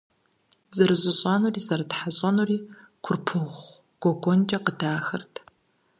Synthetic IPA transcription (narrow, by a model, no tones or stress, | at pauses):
zɨɾɨʑʷʼʊɕʼɑːnuːriːzɐrtħaɕʼɐnuːriː | kʷʰʊrpʰɨʁʷ | ɡ̥ʷɔɡʷond͡ʒʼɐqədaːxɐrtʰ